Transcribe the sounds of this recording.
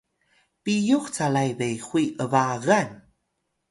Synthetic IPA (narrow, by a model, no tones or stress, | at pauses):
pijuxt͡salajbejxwiʔəvaɣan